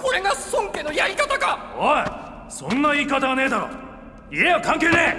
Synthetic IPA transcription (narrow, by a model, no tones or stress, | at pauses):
ko̞ɾe̞ɡasõŋke̞nojaɾʲikat̪akaho | sõ̞nːaiːkat̪aɡane̞ːd̪aɾo̰ | iejokãŋke̞ːne